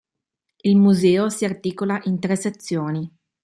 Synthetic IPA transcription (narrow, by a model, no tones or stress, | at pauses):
ilmuzɛːosiart̪iːkolaʔint̪ɾeset̪sːjoːni